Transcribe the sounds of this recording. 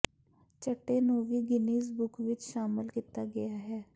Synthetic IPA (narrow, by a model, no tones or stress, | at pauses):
t͡ʃəʈːeːnõːʋiːɡɪniːs̬bʊkʰʋɪt͡ʃʃaːmɪlkiːt̪aːɡɪjaːɦɛː